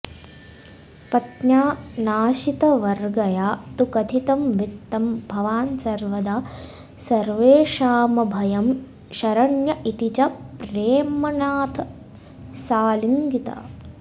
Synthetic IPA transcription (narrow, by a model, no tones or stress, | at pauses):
pɐt̪naːnaːʃit̪ɐʋɐɾɡɐjaːt̪ukɐt̪ʰit̪ɐmʋit̪ːɐmbʱɐʋaːnsɐɾʋɐd̪a | sɐɾʋeːʃaːmɐbʱɐjɐm | ʃɐɾɐɳjɐʔit̪it͡ʃɐpɾeːmɐnaːt̪ʰɐ | saːliŋɡit̪ɐ̰